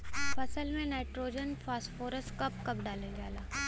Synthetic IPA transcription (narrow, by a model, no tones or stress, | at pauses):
fɐsəlmẽnaːɪʈɾoːd͡ʒənfʰaːsʈfoːɾəsʈkɐp̚kɐpɖaːleɡjaːlaː